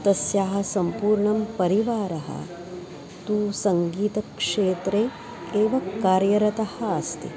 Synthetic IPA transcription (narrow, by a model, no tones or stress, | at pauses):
t̪ɐsjaːɦɐsɐmpuːɾɳɐmpɐɾiʋaːɾɐɦɐ̰ | t̪uːsɐŋɡiːt̪ɐkʂeːt̪ɾe | eːʋɐkaːɾjɐɾɐt̪ɐhɐɐst̪ḭ